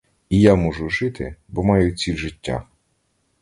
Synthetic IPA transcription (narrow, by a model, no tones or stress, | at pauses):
ijamɔʒʊʒɪt̪ʰɪ̰bɔmɑjʊt͡sʲilʲʒɪtʲːa̰